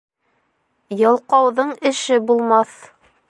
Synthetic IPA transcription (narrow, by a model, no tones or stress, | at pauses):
jɤ̆lˠqɑwðɤɴɘ̆ʃɘbulˠmɑθ